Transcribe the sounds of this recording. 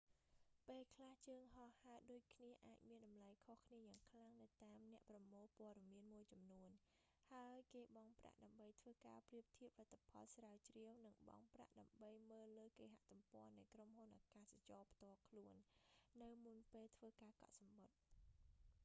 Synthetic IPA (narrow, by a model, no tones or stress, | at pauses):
peːlkʰlaht͡ɕəːŋɦɑhaːɗoːc̚kʰniəʔaːc̚miənɗɑmlajkʰohkʰniəjaːŋkʰlaŋnɨwt̪aːmnɛ̆əʔprɑmoːlpoəɗɑmiənmuəjt͡ɕɑmnuən | haəjkeːɓɑŋpra̰ʔɗaəmɓəjt̪ʰʋəːka̰ːpriəp̚t̪ʰiəp̚lat̪ʰːapʰɑ̰lsraət͡ɕriəwnɨŋɓɑ̰ŋpra̰ʔɗaəmɓəjməːlːəːkeːɦa̰ʔt̪umpɔ̆ənɨjkromhunʔaːkaːsat͡ɕɑːpʰt̪ŏəlkʰluənːɨwmunpeːlt̪ʰʋəːkaːkɑ̰ʔ̪̚sɑmɓot̪̚